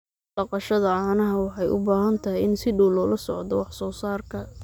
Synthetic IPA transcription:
ɖ̥ɑqɑʃɐðɐʕɑːnɐɦɐwɑħɑjʔʊ̰baːɦɐnt̪ʰɐɦɪjɪnsɪɖuːlɔːlɐsɔʕd̪ɔwɑħsɔːsaːrkʰɐ

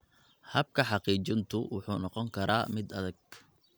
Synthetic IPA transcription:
hɐb̚kʰɐħɑqiːt͡ʃɪnt̪ʰʊwʊħuːnɔqɔŋkʰɐɾaːmɪd̪ɐðɐɡ̚

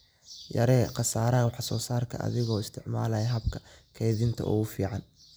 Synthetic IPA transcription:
jɐ̰ɾɛːqɑsaːɾɐwɑħɑsɔːsaːrkʰɐ̰ʔɐ̰ðɪɣɔːɪst̪ʰɪʕma̰ːlɐjɐɦɐbkʰɐ̥kʰɛjðɪnt̪ʰɐ̰ʔʊ̰ɣʊfiːʕɑn

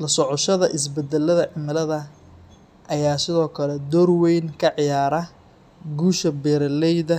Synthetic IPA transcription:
lɐsɔʕɔʃɐðɐʔɪs̬bɛd̪ɛlːɐðɐʕɪmɪlɐðɐ | ʔɐjaːsɪðɔːkʰɐlɛd̪ɔrwɛjnkʰɐʕɪjaːɾɐ | ɡuːʃɐbɛːɾɐlɛjðɐ

